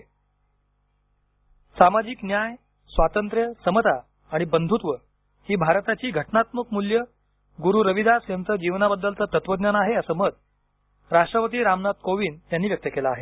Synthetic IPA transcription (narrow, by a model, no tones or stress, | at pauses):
samad͡ʑiknjaj | sʋat̪ənt̪ɾjəsəmət̪aː | ɽ̃ibənd̪ʱut̪ʋə | hiːbʱaɾt̪at͡ɕiːɡʱəʈnat̪məkmuljə | ɡuɾuːɾəʋid̪asjənt͡s̪əd͡ʑiʋnabəd̪ːəlt̪ət̪ət̪ʋəd̪njanaɦeəsəːməd̪̚ | ɾaʂʈɾəpət̪̬iːɾamnat̪̚koʋiːnjanːiːʋjək̚t̪əkelaːɦe